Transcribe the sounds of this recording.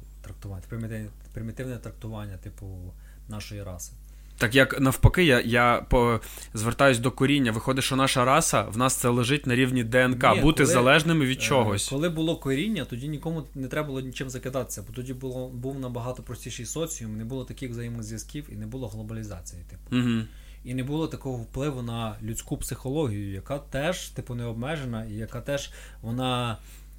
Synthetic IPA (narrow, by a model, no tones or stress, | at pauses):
t̪ɾɐk̚t̪ʊʋapɾɪmʲt̪ɪ | pɾɪmʲit̪ɪwnɛɛt̪ɾɐk̚t̪ʊʋɑnʲːɐt̪ɪpʊ | nɑʃɔjiɾɑsɪ̥ | t̪ɑkjɐknɐwpɐkɪjajapɔ | zʋert̪ɑjʊsʲd̪ɔkɔɾʲinʲːɐʋɪxɔd̪ɪʃɔnɑʃɐɾɑsɐ̰ʋnɑst̪sɛlˠeʒɪt̚ʲnɐɾʲiwnʲid̪ɛɛnkɑbut̪ɪzɐlˠɛʒnɪmɪʋʲid̪t͡ʃɔɦɔsʲɔlˠɪbʊlˠɔkɔɾʲinʲːɐt̪ɔdʲinʲikɔmʊnɛt̪ɾɛbɐlˠɔnʲit͡ʃɪmzɐkɪd̪ɑt̪ɪ̥sʲɐbɔt̪ɔdʲib̪ˠɔbuwnɐbɐɦɑt̪ɔpɾɔsʲtʲijʃɪjsɔt͡sʲijʊmnɛbulˠɔt̪ɐkʲɪxʋzɐjimɪɣzʲʋjɐskʲiwinɛbulˠɔɦlˠɔbɐlʲizɑt͡sʲijit̪ɪ̥pʊ̥ɦ̩ | inɛbulˠɔt̪ɐkɔɦɔwplˠɪʋʊnɐlʲut͡sʲkupsɪxɔlˠɔɦʲijʊjɐkɑt̪ɛʒ̥t̪ɪpʊnɛɔbmɛʒenɐijɐkɑt̪ɛʒ̥ | ʋɔnɑ